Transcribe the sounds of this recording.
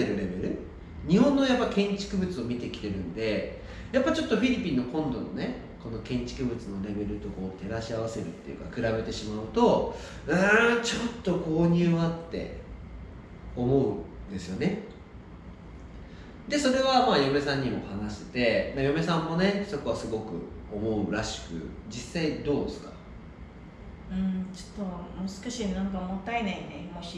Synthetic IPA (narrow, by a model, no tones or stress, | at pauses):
eɾɯ̟ɾe̞be̞ɾɯ̟ | ɲ̟ihõ̞nːojapːaikẽ̞ɲt͡ɕi̥kɯ̟bɯ̟t͡sɨo̞mʲit̪e̞kʲi̥t̪e̞ɾɯ̟̃nd̪e̞ | japːat͡ɕo̞t̪ːo̞ɸʲiɾʲipʲĩnːo̞kõ̞nd̪o̞no̞̰ne̞ | ko̞no̞kẽ̞ɲ̟t͡ɕi̥kɯ̟bɯ̟t͡sɨno̞ɾe̞be̞ɾɯ̟t̪o̞ko̞ːt̪e̞ɾaɕiaβase̞ɾɯ̟t̪ːejɯ̟̰kakɯ̟ɾabe̞t̪e̞ɕimaɯ̟t̪o̞ | ɯt͡ɕot̪ːo̞ko̞ːɲ̟ɨːβat̪ːe̞̰ | o̞mo̞ɯ̟nd̪e̞sɨjo̞ne̞ | d̪e̞so̞ɾe̞βamaːjo̞me̞sãɲ̟ːimo̞hanaɕi̥t̪e̞majo̞me̞sãmːo̞ne̞so̞ko̞βasɨɡo̞kɯ̟̰o̞mo̞ɯ̟ɾaɕi̥kɯ̟̰ | d͡ʑisːaid̪o̞ːd̪esɨ̥ka | ɯ̟̃ɴt͡ɕo̥t̪ːomosɨ̥kaɕinãŋkamot̪ːaenainemoɕi